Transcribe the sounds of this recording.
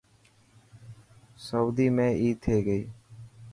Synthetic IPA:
səwd̪iːmẽːʔiːt̪ʰːeːɡəiː

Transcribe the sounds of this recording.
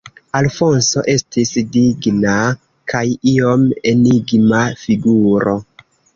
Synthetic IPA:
alfo̞nso̞ʔe̞stisdiɡna | kʰajio̞me̞niɡmafiɡuɾo̞

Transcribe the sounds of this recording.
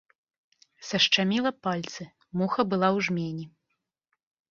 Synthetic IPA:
sɐʂt͡ʂamʲilˠɐpalʲt̪sɨ | muxɐbɨlˠawʐmʲenʲi

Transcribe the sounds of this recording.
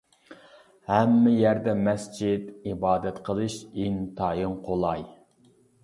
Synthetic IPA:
hɛmːɪjæɾd̪ɛmɛsd͡ʒid̪ibɑːd̪ɛt̪qʰəlˠɨʃint̪ʰɑːjɨŋqʰolˠɑj

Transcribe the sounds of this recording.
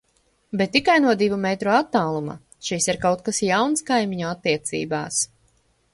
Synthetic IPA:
bɛt̪ːikajnuɔd̪ivumɛt̪ɾuat̪ːaːlˠuma̰ | ʃisiɾkawt̪̚kasjawnskajmiɲɔat̪ːiɛt̪sḭːbaːs

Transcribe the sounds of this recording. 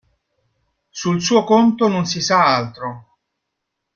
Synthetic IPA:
sulsuːokont̪ononsisaalt̪ɾo

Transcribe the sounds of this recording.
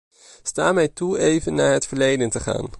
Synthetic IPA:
staːmɛjtuejvənːaːɹɦətfəɹlejdəntəχa̰ːn

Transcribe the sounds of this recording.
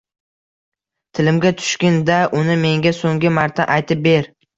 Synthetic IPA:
t̪ʰɪlɪmɡʲat̪ʰʊ̥ʃkʲɪnd̪aʔʊnɪme̞ŋɡʲasoŋɡʲɪmaɾt̪ʰaʔajt̪ʰɪp̚be̞ɾ

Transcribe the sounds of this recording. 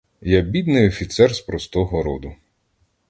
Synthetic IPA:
jabʲid̪nɪjɔfʲit̪sɛrspɾɔst̪ɔɦɔɾɔd̪ʊ

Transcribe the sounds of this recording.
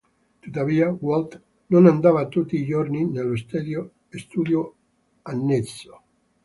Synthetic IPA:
t̪ut̪ːaviːawolt̪ | nonand̪avat̪ut̪ːiːd͡ʒorninelːost̪ed̪jo | est̪uːd̪jo | anːet̪sːo̥

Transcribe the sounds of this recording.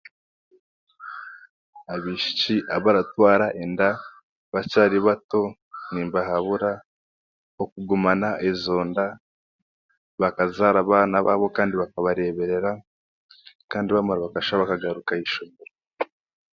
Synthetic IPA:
aβiʃi̥t͡ʃiʔaβaɾatwaːɾaʔenda | βat͡ʃaːɾiβato̞ | niːmbaɦaβuɾa | hokuɡumanaʔezo̞ːnda | βakazaɾaβaːnaβa̰βo̞kaːndiβakaβaɾe̞βe̞ɾe̞ɾa | kaːndiβamaɾaβakaʃaβakaɡaɾukaiʃomeɾo

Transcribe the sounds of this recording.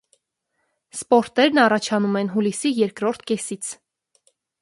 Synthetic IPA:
spɔɾt̪ɛɾnɑrɑt͡ʃʰɑnumɛn̪ɦulisijɛɾkɾɔɾt̪ʰkɛsit͡sʰ

